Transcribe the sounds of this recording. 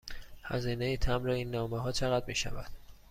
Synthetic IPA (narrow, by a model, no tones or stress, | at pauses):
hæ̰ziːnejiːt̪ʰæmɾeiːnːɒːmeɦɒːt͡ʃʰeɣæd̪̚miːʃæ̰væd̪̥